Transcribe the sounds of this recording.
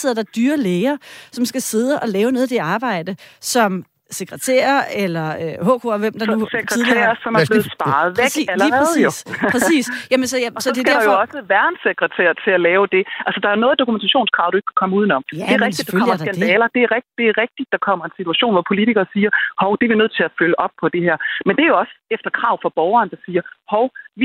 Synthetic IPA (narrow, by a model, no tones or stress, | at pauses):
seð̰ˠɐd̥ɑ̈d̥yːɐleːɪɐsɒ̽msɡ̥æse̝ð̞ˠəʔɒ̽lɛːʊənɔðˠd̥e̝ɑ̈ːb̥ɑ̈ɪ̰d̥əsɒ̽m | se̝ɡ̥ʁɐt͡sʰḛːɐelɐøho̰ːkʰoʋem̰d̥ɑuseɡ̥ʁɛt͡sʰḛɐsɒ̽mæble̝ːð̩ˠsb̥ɑ̈ːð̩ˠʋeɡ̥ælð̩ˠjoʁsḭːsjæmənsɒjsɒdesɡ̥ææɐɑjoɒ̽səʋæɐnseɡ̥ʁɛt͡sʰḛːɐt͡sʰe̝lælɛːʊd̥e̝ʔælsəd̥ɑ̈ɐjo̝nɔ̽ːð̩ˠd̥o̝kument͡sʰæɕo̝̰ːnskʰʁɑ̈ʊd̥ue̝ɡ̥kʰækʰɒ̽məuð̞ˠnɒ̽md̥e̝æʁɛɡ̥̚d̥id̥ɑkʰɒ̽m̰ɐɡ̥ænd̥ɛːlɐd̥e̝æɐʁɛɡ̥̚d̥e̝æɐʁɛɡ̥̚d̥id̥̚ːɑ̈kʰɒ̽m̰ɐensit͡sʰuæɕo̝̰ːnʋɒpʰo̝lidʰiɡ̥ɐːsiːɐhɒʊd̥eʋinøð̞̰ˠt͡sʰe̝læføləʔɒ̽b̥̚pʰɒ̽d̥e̝hæɐ̰mend̥e̝æɐjo̝ɒ̽səefd̥ɐkʰʁɑ̈ʊ̰fɒ̽b̥ɒʊɐːnəd̥ɑ̈siːɐhɒʊʋi